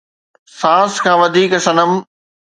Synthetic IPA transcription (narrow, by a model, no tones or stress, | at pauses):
sãːskʰãːʋɐd̪ʱiːkɐsɐnəm